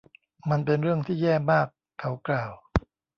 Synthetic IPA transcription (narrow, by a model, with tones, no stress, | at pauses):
ma˧npe˧nɾɯ˥˩əŋt̪ʰiː˥˩jɛː˥˩maː˥˩kʰːa˦˥wklaː˨˩w